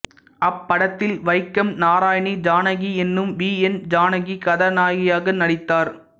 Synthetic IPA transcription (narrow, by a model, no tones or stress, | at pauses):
ɐpːɐɽɐt̪ːɪlʋɐɪkːɐmnaːɾaːjɳid͡ʒaːnɐɣiɛnːɯmʋiːɛnd͡ʒaːnɐɣikɐðɐnaːɣɪjaːɣɐnɐɽɪt̪ːaːɾ